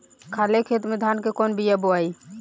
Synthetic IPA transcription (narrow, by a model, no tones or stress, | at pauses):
kʰalekʰet̪med̪ʱankekɔnbijaboaj